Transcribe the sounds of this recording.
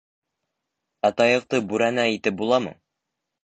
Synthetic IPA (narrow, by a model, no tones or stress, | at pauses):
ɑt̪ɑjɤ̆q̚t̪ɤbʉɾænæit̪ɘp̚bulˠɑmɤ̰